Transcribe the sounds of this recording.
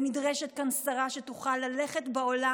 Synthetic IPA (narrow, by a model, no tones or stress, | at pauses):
midʁɛʃet̪̚kansaʁaʃet̪uχalːaleχetbeola